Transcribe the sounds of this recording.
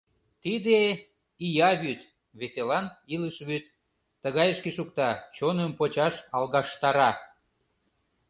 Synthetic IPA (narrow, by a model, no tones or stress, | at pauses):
t̪id̪e | ijɑβyt̪ | βeselɑniləʃβyt̪ː | əɣɑjəʃkeʃukt̪ɑt͡ɕonəmpot͡ɕɑʃɑlɣɑʃt̪ɑɾɑ